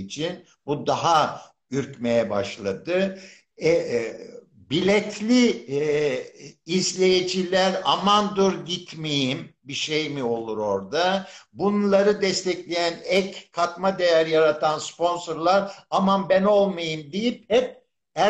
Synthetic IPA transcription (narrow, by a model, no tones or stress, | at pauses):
t͡ʃʰin | bud̪aɦa | yɾcmejɛba̰ʃlˠa̰d̪ɯ | ɛ | bilʲɛt̪ʰlʲi | zlʲejed͡ʒilʲæɾa̰mand̪uɾɟit̪mejimbiʃejmio̞lˠuɾo̞ɾd̪abunlˠaɾɯd̪ɛst̪ʰɛclʲejænɛckʰat̪mad̪ejæɾjaɾat̪ʰanspo̞nsoɾlˠaɾamanbæno̞lˠmajɯmd̪ijip̚hɛp̚ | æ